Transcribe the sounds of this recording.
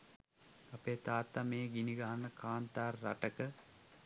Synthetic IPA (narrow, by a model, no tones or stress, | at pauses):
apeːt̪aːt̪ːameːɡiniɡaɦanːəkaːnt̪aːrːa̰ʈəkə